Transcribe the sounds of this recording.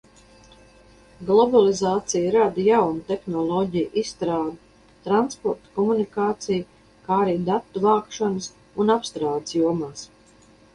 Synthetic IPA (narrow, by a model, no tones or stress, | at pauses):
ɡlˠɔbalˠizaːt̪sijɾad̪jawnut̪exnɔlˠɔɟijʔisːt̪ɾaːd̪u | t̪ɾanspɔɾt̪kɔmunikaːt̪sij | kaːɾiːd̪at̪ːuvaːkʃɔnəs | unapst̪ɾaːd̪sjuɔmaːs